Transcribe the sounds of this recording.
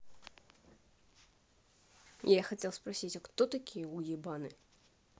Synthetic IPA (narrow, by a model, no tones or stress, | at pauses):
jaxat͡sʲɛlˠspɾasʲit͡sʲaxt̪ɔt̪akʲijɛujibanɨ